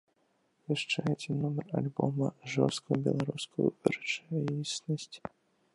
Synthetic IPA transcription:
vʲɪʂt͡ʂajɪtʲɪnomʲərɐ̰lʲbo̰məʐɔ̰st̪kʊjʊbʲɪ̰lˠɐɾuskʊjʊ̰vərt͡ʂisʲnəsʲtʲ

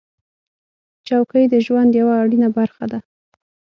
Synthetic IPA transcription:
t͡ʃawkəjd̪əʒwand̪jawaːɽinabaɾxad̪a

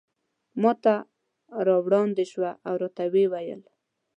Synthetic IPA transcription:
mɔt̪a | ɾɑwɽɑnd̪ɪʃwaʔawɾot̪awewajə̰l

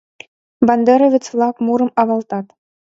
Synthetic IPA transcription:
bɑnd̪eɾŏʋʲɘ̆t͡sflˠɑkmuɾɤ̆mɑβɑlˠt̪ɑt̪

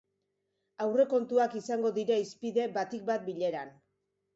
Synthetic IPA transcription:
awre̞ko̞nt̪uakisaŋɡo̞ðiɾaispiðe̞bat̪ik̚bat̪̚biʎe̞ɾan

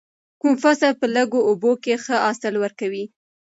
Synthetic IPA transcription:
kumfasəlpələɡoʔobokexəɑsɪlwəɾkawi

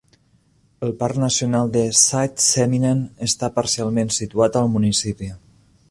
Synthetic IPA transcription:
əlˠparnəsiunalˠd̪əsat̪sɛminenəst̪apəɾsialˠmensit̪uat̪əlˠmunisipi

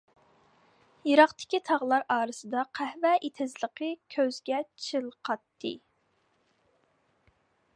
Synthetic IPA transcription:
jiɾɑqt̪ʰɪ̥kʲit̪ʰɑʁlˠɑɾɑːɾɨsɨd̪ɑqʰæhvɛʔet̪ʰɪzlˠəqʰəkʲʰøzɡʲɛt͡ʃʰɨlˠqʰɑt̪ːɨ̰

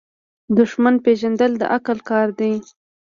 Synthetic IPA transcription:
d̪ʊʃmanpeʒand̪əld̪ə̰ʔakəlkɑɾd̪aj

